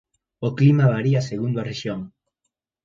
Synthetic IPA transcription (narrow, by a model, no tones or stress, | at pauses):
oklimaβaɾiaseɣund̪oareʃjoŋ